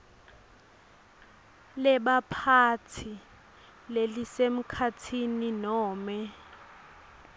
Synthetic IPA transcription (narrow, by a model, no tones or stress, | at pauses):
lɛɓapʰat͡sʰi | lelisem̩kʰat͡sʰininɔːmɛ